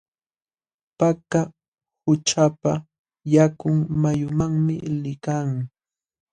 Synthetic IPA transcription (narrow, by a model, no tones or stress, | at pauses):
paka | hʊt͡ʃapa | jakʊŋmajʊmaŋmɪ̰lɪkaŋ